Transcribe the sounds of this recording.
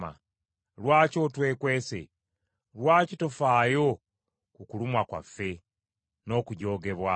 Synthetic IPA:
a̰ | lwaːco̞twe̞ːkwe̞ːse̞̰ | lwaːcito̞faːjo̞ | kukulumwakwa̰fːe̞ | no̞ːkuɟo̞ːɡe̞βwa

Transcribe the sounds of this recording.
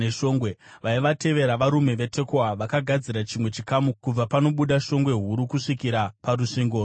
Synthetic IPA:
eʃo̞ːŋɡwe | ʋaiʋate̞ʋe̞ɾaʋaɾume̞ʋe̞te̞koaʋakaɡʱad͡ziɾat͡ʃimwe̞t͡ʃikamukub͡vapano̞ɓuɗaʃo̞ŋɡwe̞ɦuɾukuʂikiɾapaɾuʂiːŋɡoː

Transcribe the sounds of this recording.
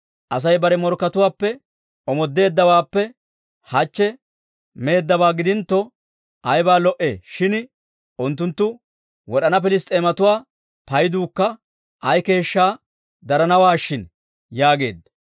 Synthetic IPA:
ʔɐs̬ɐjbɐɾɛmɔɾkːɐt̪ʊwaːpːɛ | ɔmɔd̪ːe̞ːd̪ːɐwaːpːɛ | hɐt͡ʃːɛ | me̞ːd̪ːɐbaːɡɪd̪ɪnt̪ːɔ | ʔɐjbaːlɔʔeːʃɪn | ʔʊnt̪ːʊnt̪ːʊ | wɔɗɐnɐp̬ɪlɪst̪ʼeːmɐt̪ʊwaː | pɐjd̪uːkːɐ | ʔɐjke̞ːʃːaː | d̪ɐɾɐnɐwaːʃːɪn | jaːɡe̞̰ːd̪ːɐ

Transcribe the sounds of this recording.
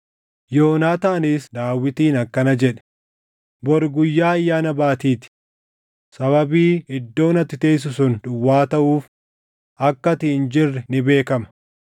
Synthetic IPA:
joːnaːt̪aːnisd̪aːwːɪt̪iːnɐkːɐnɐd͡ʒɛᶑɐ̥ | bɔɾɡʊjːaːɐjːaːnɐbaːt̪iːt̪ɪ̥ | sɐβɐbiːɪd̪ːo̞ːnɐt̪ːɪt̪eːs̬ʊsʊnᶑʊwːaːt̪ɐʔuːf | ʔɐkːɐt̪ɪɪnd͡ʒɪrːɛnɪbe̞ːkɐmɐ̥

